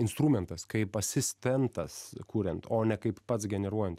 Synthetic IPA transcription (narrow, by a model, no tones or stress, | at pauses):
ɪnst̪ɾuːmʲɛnt̪ɐskɐɪpɐsʲɪsʲt̪ʲɛnt̪ɐskuːɾʲɛnt̪oːnʲɛkɐɪppɐt̪sɡʲɛnʲɛɾuɔjɛnt̪